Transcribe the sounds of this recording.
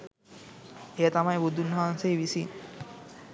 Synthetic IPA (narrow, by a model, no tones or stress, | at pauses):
ejət̪amajbud̪ʱunːɐɦansejʋisin